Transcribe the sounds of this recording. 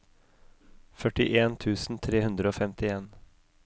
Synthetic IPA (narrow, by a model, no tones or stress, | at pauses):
fœʈɪʔeːnt̪ʰʉːsn̩t̪ʰɾeːhʉnd̪ɾəoːfɛmt̪ɪeːn